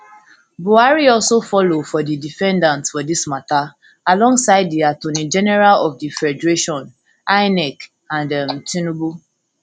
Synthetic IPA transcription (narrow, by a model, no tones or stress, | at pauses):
buaɹiɔlsofɔlofɔdidifɛ̃ndãntsfɔdismata | alɔ̃ŋɡsaɪd̚diatõnĩd͡ʒɛnɛɹalɔfdifɛdɹeʃɔ̃n | aɪnɛk | ãndamtʰĩnubu